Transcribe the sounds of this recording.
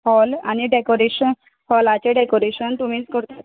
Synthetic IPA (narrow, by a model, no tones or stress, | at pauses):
hɔlaniɖekoɾeɕən | hɔlat͡ɕeɖekoɾeɕənt̪um̤iːt͡skəɾt̪at̪